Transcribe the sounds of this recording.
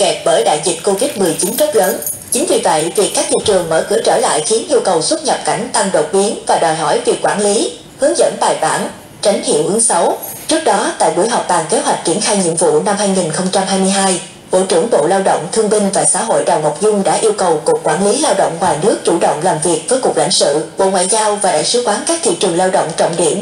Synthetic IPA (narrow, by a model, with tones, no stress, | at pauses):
kɛ˨˩p̚ɓəː˧˩jɗa̰ː˧˨jzi˨˩t̚ko˧vi˦˥t̚mɨ˨˩əjt͡ɕi˨˦nzə˦˥p̚ləː˨˦n | t͡ɕï˨˦ŋ̟vi˨˩və̰˧˨jvi˨˩əkːaː˦˥k̚t̪ḭ˧˨t͡ɕɨ˨˩əŋməː˧˩kɨ̰˧˩t͡ɕəː˧˩la̰ː˧˨jxi˨˦ənʔi˧əwkə˨˩wswə˦˥t̚ɲə˨˩p̚ka˧˩jŋ̟t̪a˧ŋɗo˨˩t̚ɓi˨˦ənvaː˨˩ɗɔː˨˩jɦɔ˧˩jvi˨˩əkːwaː˧˩nli˨˦ | hɨ˨˦ŋzə̰˧˥nɓaː˨˩jɓaː˧˩n | t͡ɕa˨˦jŋ̟hḭ˧˨əwʔɨ˨˦ŋsa˨˦wt͡ɕɨ˦˥ək̚ɗɔ˨˦t̪a̰ː˧˨jɓu˧˩jɦɔ˨˩wk͡p̚ɓaː˨˩ŋke˨˦ɦwa˨˩jk̟̚t͡ɕi˧˩ənxaː˧jɲḭ˧˨əmvṵ˧˨na˧mhaː˧jŋi˨˩nxə˧wŋ͡mt͡ɕa˧mhaː˧jmɨ˧əjɦaː˧j | ɓo̰˧˨t͡ɕɨ˧˩əŋɓo̰˧˨laː˧wɗə̰˧˨wŋ͡mt̪ʰɨ˧əŋɓï˧ŋ̟vaː˨˩sa̰ː˧˥ɦo̰˧˨jɗa˨˩wŋo˨˩p̚zʊ˧ŋ͡mɗa̰ː˧˥ʔi˧əwkə˨˩wkʊ˨˩k̚ːwaː˧˩nli˨˦laː˧wɗə̰˧˨wŋ͡mhwaː˨˩nɨ˦˥ək̚t͡ɕu˧˩ɗə̰˧˨wŋ͡mlaː˨˩mvi˨˩ək̚vəː˨˦jku˨˩k̚la̰˧˥ŋ̟sɨ̰˧˨ɓo̰˧˨ŋwa̰ː˧˨jzaː˧wvaː˨˩ɗa̰ː˧˨jsɨ˨˦xwaː˨˦nkaː˦˥k̚t̪ʰḭ˧˨t͡ɕɨ˨˩əŋlaː˧wɗə̰˧˨wŋ͡mt͡ɕɔ̰˧˨wŋ͡mɗḭ˧˩əm